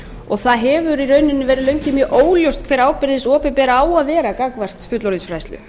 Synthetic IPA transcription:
ɔɣθaðɦɛvʏɾiɾœɥnɪnːɪvɛːɾɪðlœɥɲcɪmjœʔoːwljowst̪kʰv̥ɛːɾaːwpɪɾðɪsɔːpɪpɛːɾaaːwaðvɛːɾakakvar̥t̪fʏt̪lɔɾisfɾajst̪lʏ̰

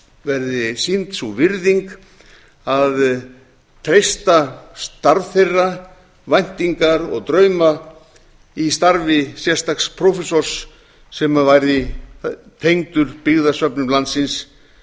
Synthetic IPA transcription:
vɛɾðɪsint̪suvɪɾðiŋk | að | t̪ʰɾejst̪ast̪aɾðθejrːa | vajn̥t̪iŋkaɾɔ̰ɣt̪ɾœɥma | ist̪aɾvɪsjɛr̥st̪akspʰɾofɛsɔɾ̥sː | ɛmavajɾðɪ | t̪ʰejŋt̪ʏɾpɪɣðasœpnʏmlant̪sɪns

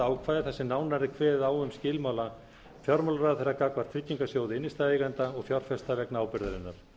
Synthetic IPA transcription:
aːwkʰvaːjðɪθɛsːɪnaːwnaɾɪkʰvɛːaːwʏmscɪːlmawla | fjɔɾmalɾaːðθeɾakaːkvaɾ̥t̪fʰɾɪcːiŋkasjoːwðɪɪnːɪst̪aðejɣant̪aɔɣfjɔɾ̥fɛst̪avɛknaːwpɪɾðaɾɪnːaɾ̥

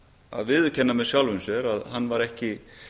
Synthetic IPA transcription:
a̰ðvɪðʏcʰɛnːamɛðsjawlvʏnsjɛɾaðɦanːvaɾɛhcɪ

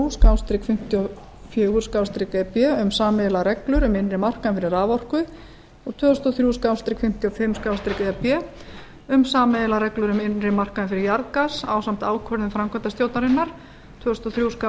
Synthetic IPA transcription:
uskaːwst̪ɾɪkfɪm̥t̪jɔ | fjœːɣʏɾ̥skawst̪ɾɪkɛpjɛʏmsaːmɛlaɾɛklʏɾʏmɪnrɪmar̥kaðɪnfɪɾɪɾaːvɔr̥kʏ | ɔɣt̪ʰvœːðʏst̪ɔθɾjuskawst̪ɾɪkfɪm̥t̪jɔfɪmskaːwst̪ɾɪkaðapjɛ | ʏmsaːmɛðlaɾɛklʏɾʏmɪnrɪmar̥kaðɪnfɪɾɪɾjaɾðkasa̰ːwsam̥t̪aːwkʰœɾðʏfɾamkʰœnt̪ast̪jowt̪naɾɪnːaɾ̥ | t̪ʰvœːðʏst̪ɔθɾjusa

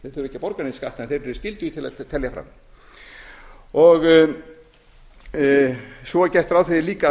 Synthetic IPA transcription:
θɾɛcːɪpɔɾkaneskaht̪ɛnθeɾɾɛɾscɪlt̪ʏit̪ʰɪla̰t̪ʰɛljafɾa̰m | ɔɣ | sɔcɛht̪ʏɾaːwθeliːka

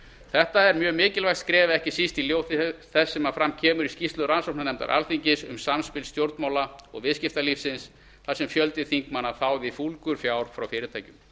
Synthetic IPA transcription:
θɛht̪aɛɾmjœːɣmɪːcɪlvaxt̪skɾɛːvaɛhcɪsist̪iljowθɪθɛsːɛmafɾamcʰɛːmʏɾiscist̪lʏɾansowp̚nanɛmt̪a̰ɾʔa̰lθiɲcɪsʏ̰msamspɪlst̪jowɾt̪maːwlaɔ̰ɣvɪðscɪft̪alifsɪns | θasɛmfjœlt̪ɪθiŋkmanaθawvɪfulkʏɾ̥fjaːwɾ̥fɾawfɪːɾɪt̪ʰaːjcʏm

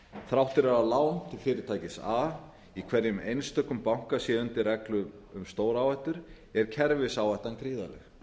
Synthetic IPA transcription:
θɾawht̪ɪɾɛɾalaːwʏmt̪ʰɪlfɪːɾɪɾt̪ʰaːjcɪsa | ikʰvɛɾjʏmejnst̪œkːʏmpawŋ̥kasjɛːðʏnt̪ɪɾɛklʏʏmst̪oːwɾawɛjht̪ʏɾ̥ | ɛɾ̥cʰɛɾvɪsawɛjht̪ankɾiːða̰lɛx

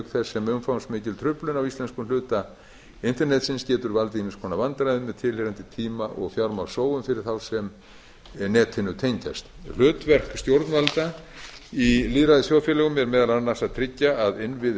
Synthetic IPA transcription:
kθɛsːɛmʏmfawnst̪mɪːcɪlt̪ʰɾʏplʏnawist̪ɛnskʏmlʏːt̪a | ɪn̥t̪ɛɾnɛt̪sɪnscɛːt̪ʏɾvalt̪ɪimɪskʰɔːnːavant̪ɾajðʏmɛðt̪ʰɪlhɛːɾant̪ɪt̪ʰiːmaʔɔ̰ɣθjawɾmawsoːwʏmfɪɾɪɾ̥θawsɛm | nɛːt̪ʰɪnːʏt̪ʰejɲca̰st̪l̥ʏːt̪vɛr̥kst̪jowɾt̪nvalt̪a | iliːðɾaðɪsjoːwfjɛlɛɣʏmɛɾmɛːðalanasaðt̪ʰɾɪcːaaðɪnvɪð

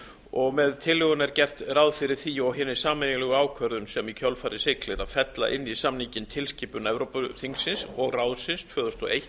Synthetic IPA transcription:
ɔɣmɛðt̪ʰɪlːʏɣɔnɛɾcɛr̥t̪rawðfɪɾɪɾ̥θiɔɣɦɪːnːɪ̥saːmɛjɪlɛɣʏaːwkʰvœɾðʏnsɛmicʰœlfaːɾɪsɪklɪɾaðfɛt̪la̰ʔɪnːisamnicɪnt̪ʰɪlscɪːpʏnɛvɾowpʏθiŋsɪnsɔɣraːwðsɪnst̪ʰvœːðʏst̪ɔejh̪

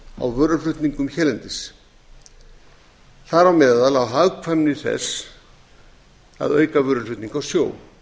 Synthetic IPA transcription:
a̰wvœːɾʏlʏht̪niŋkʏmçɛːlɛnt̪ɪs | θaɾawmɛːðalawɦaɣkʰvɛmnɪθɛ̰s | a̰ðœːɥkavœːɾʏʏht̪niŋkawsjoːw

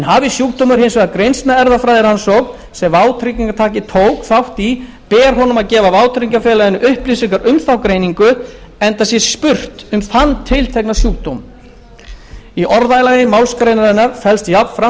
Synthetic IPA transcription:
ɛnɦaːvisjuːk̚t̪owmʏɾ̥ɦejnsvɛɣðakɾejnst̪naɛɾðafɾaːjðɪɾhansɔɣ | sɛmvaːwt̪ʰɾiŋciŋkat̪ʰaːcɪt̪ʰoːwkθawht̪i | pɛːɾɦɔnʏmaðcɛːvavaːwt̪ʰɾiŋkafɛːlajðɪnːʏʔʏhplisiŋkaɾʔʏmθawkɾejniŋkʏ | ɛnt̪asjɛ̥spʏr̥t̪ʏmθanːt̪ʰɪlt̪ʰɛknasjuːk̚t̪owm | iʔɔɾðajlajɪmawlskɾejnaɾɛnːaɾfɛlst̪javfɾa

